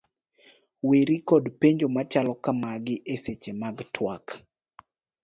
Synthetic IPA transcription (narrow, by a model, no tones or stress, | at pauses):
weɾikɔdpeɲd͡ʒomat͡ʃalɔkamaɡɪʔeset͡ʃemaɡtʰwak